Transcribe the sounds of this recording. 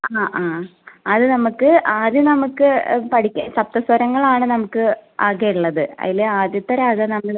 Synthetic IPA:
aːʔaːɐðɨnɐmukːɨaːd̪jɐnɐmukːɨpɐʈʰikʲːsɐp̚t̪ɐswɐɾɐŋːɐɭaːɳɨnɐmukːɨaːɣejuɭːɐðɨɐ̰ðileaːd̪jɐt̪ːɐɾaːɣɐnɐmːɐɭ

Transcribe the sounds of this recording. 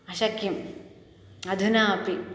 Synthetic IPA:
ɐʃɐkːim | ɐd̪ʱunaːɐpi

